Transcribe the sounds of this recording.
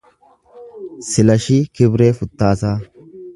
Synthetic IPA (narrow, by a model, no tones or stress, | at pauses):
sɪlɐʃikɪbɾeːfʊt̪ːaːsaː